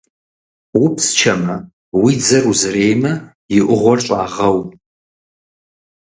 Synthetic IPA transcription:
wʊpst͡ʃʰɐmɐ | wid͡zɐruzɨrejmɐ | jɪʔʷʊʁʷɔrɕʼaːʁɐw

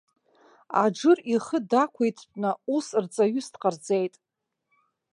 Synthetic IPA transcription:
a̰d͡ʒɨriχədakʷʰejtʰpʷʼnausrt͡sʼaɥʏsdqʼard͡zejtʼ

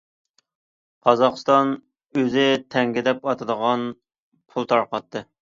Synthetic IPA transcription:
qʰɑzɑχst̪ɑn | øzɪt̪ʰɛŋɡʲɪd̪ɛpɑt̪ʰɨd̪əʁɑn | pʰulˠt̪ʰɑɾqɑt̪ʰːɨ

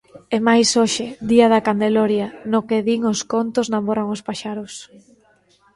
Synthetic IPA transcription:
emajsoʃɪðiaðɐkand̪eloɾjanʊkeðiŋoskont̪ʊznamoɾaŋospaʃaɾʊs

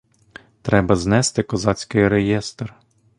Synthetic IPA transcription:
t̪ɾɛbɐznɛst̪ɪkɔzɑt͡sʲkɪjɾejɛst̪r

